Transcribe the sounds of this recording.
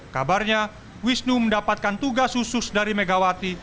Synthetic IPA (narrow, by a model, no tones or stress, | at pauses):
kabarɲa | wisnuməndapat̪̚kant̪uɡashusʊsdaɾimeɡawat̪i